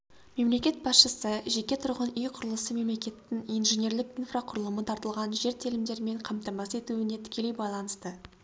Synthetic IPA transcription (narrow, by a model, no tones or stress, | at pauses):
me̞mle̞kʲe̞t̪̚bɑsʃəsəʒe̞kʲe̞t̪ʰʊɾʁənijqʰʊɾəlˠəsəme̞mle̞kʲe̞t̪ːɪŋijnʒenʲe̞ɾlɪkinfraqʰʊɾəlˠəmət̪ʰɑɾt̪əlˠʁɑnʒe̞ɾt̪ʰilɪmd̪e̞ɾme̞ɴqʰɑmt̪ɑmɑse̞t̪uɪne̞t̪ʰɪ̥kʲe̞le̞jbɑjlˠɑnəst̪ə